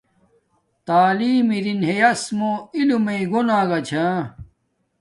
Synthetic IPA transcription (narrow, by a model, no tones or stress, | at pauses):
t̪aːliːmiɾinɦejɐsmoilumeiɡonãːɡɐt͡ɕʰã